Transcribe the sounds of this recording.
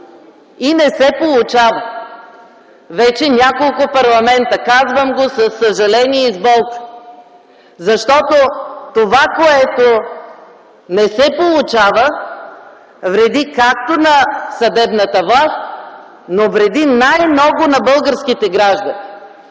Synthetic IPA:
inɛsɛpolˠʊt͡ʃavə | vɛt͡ʃɛnʲakolˠkʊpɐɾlˠɐmɛnt̪əkazvəmɡosɐsːəʒɐlɛniɛizbɔlˠk̪ | zɐʃt̪ɔt̪ot̪ovakoɛt̪o | nɛsɛpolˠʊt͡ʃavə | vɾɛd̪ikak̚t̪onɐsɐd̪ɛbnət̪əvlˠast̪ʲ | novɾɛd̪inajmnɔɡʊnɐbɤlˠɡəɾsk̟it̪ɛɡɾaʒd̪əni

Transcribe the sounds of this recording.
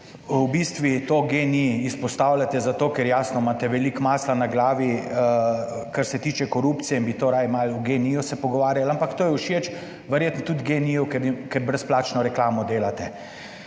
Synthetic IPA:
wbist̪ʋit̪oːɡeniːspɔst̪aːwlʲat̪ɛzat̪oːkɛɾjaːsnɔmaːt̪ɛʋɛlikmaːslanaɡlaːʋi | kaɾsɛt̪iːt͡ʃɛkɔɾuːpt̪sijɛinbit̪oːɾajmaluɡenijusɛpɔɡɔʋaːɾjalampakt̪oːjɛuʃet͡ʃ | ʋɛɾjeːt̪nɔt̪ud̪ɡenijɔkɛkɛɾbɾɛsplaːt͡ʃnɔɾɛklaːmɔd̪eːlat̪ɛ

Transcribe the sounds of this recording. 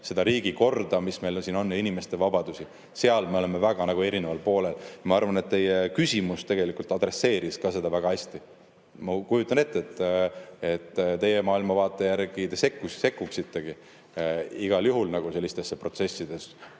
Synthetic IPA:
se̞d̪̥ɑɾiːɡiko̞rd̪̥ɑmisme̞jlonsiːno̞nːinime̞st̪e̞vɑbɑd̪̥usʲi | se̞ɑlme̞o̞le̞me̞væɡ̥ɑnɑɡ̥ue̞ɾine̞vɑlpo̞ːle̞ljɑmɑɑrvɑne̞t̪t̪ːe̞jekysʲimust̪e̞ɡ̥e̞likult̪ˑɑd̪ɾe̞sːe̞ːɾiskɑse̞d̪̥ɑvæɡ̥ɑæsʲt̪i | mɑkujut̪ːˑɑne̞t̪ːeet̪ːˑ | e̞t̪ːt̪e̞je̞mɑːilmɑvɑːt̪ˑːe̞jærɡ̥it̪e̞se̞kːusse̞kːuksit̪ːe̞ɡ̥i | iɡ̥ɑljuɦulnɑɡ̥use̞lːist̪e̞sːepro̞t̪se̞sʲːid̪̥e̞s

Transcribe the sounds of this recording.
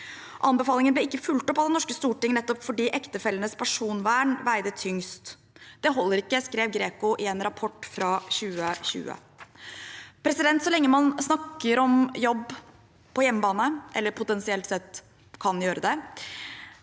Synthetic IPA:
ʔɑnbɛfɑːlɪŋənblɪɪkːəfʉlt̪ɔpːɑʋd̪ɛnɔʂkəst̪uːʈɪŋnɛt̪ːɔpfɔɖiːʔɛkt̪əfɛlənəspʰæʂuːnʋæːɳʋæɪd̪ət̪ʰʏŋst̪ | d̪̥ɛɦɔlːəɾɪkːəskɾeːʋɡɾeːkʊʔɪɛːnɾɑpʰɔʈːfɾɑːɕʉːəçʉ̰ːə̰ | pʰɾɛsɪd̪ɛnt̪sɔlɛŋːəmɑnsnɑkːəɾɔmjɔbː | pʰɔjɛmːəbɑːnəʔɛ̰lːəɾpʰʊt̪ɛnsɪɛlt̪sɛt̪ː | kʰɑnjøːɾəd̪ɛ

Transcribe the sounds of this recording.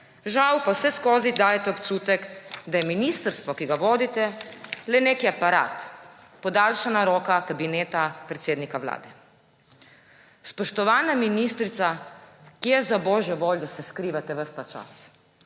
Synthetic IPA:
ʒawpawsɛskoːzid̪aːjɛt̪ɛopt͡ʃuːt̪ɛkd̪ajɛminist̪əɾst̪ʋɔkiɡaʋoːd̪it̪ɛlɛneːkiapaɾa̰ːt̪pɔd̪alʃanaɾoːkakabineːt̪apɾɛt̪seːd̪nikawla̰ːd̪ɛ | spɔʃt̪ɔʋaːnaminiːst̪ɾit̪sakijɛzabɔːʒjɛʋoːljd̪asɛskɾiːʋat̪ɛʋəɾst̪at͡ʃa̰s

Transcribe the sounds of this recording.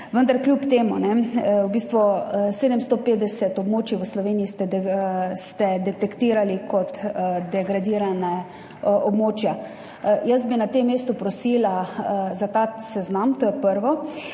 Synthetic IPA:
ʋənd̪aɾklʲjupt̪eːmunɛwbiːst̪ʋuseːd̪ɛmst̪opeːd̪ɛsɛt̪ɔbmoːt͡ʃiʋəslɔʋeːniist̪ɛ | st̪ɛd̪ɛt̪ɛkt̪iːɾalikʰɔt̪d̪ɛɡɾad̪iːɾana | ʔɔbmoːt͡ʃja | jasbinat̪emːeːst̪upɾɔsiːlazat̪asɛznamt̪oːjɛpəɾʋɔ

